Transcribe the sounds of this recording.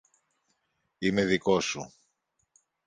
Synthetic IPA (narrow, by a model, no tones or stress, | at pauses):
ime̞ðiko̞su